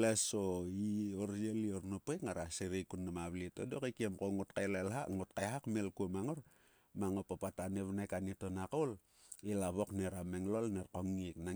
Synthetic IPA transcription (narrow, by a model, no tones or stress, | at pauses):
lesoioɾjelioɾnopekŋaɾaseɾekunːamaβlitodokekiamkoŋutkajlelɦaŋot̚kajɦakmelkuomaŋoɾ | maŋopapataneβnajkanitonakol | ilaβo̞kneɾameŋlolneɾkoŋikna